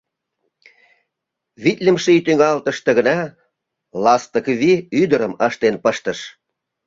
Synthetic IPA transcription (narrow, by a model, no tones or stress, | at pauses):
βit̪ʲlʲə̆mʃit̪yŋɑlt̪ə̆ʃt̪ɤ̆ɣə̆nɑ | lɑst̪ə̆kβiyd̪əɾəməʃt̪enpəʃt̪ə̆ʃ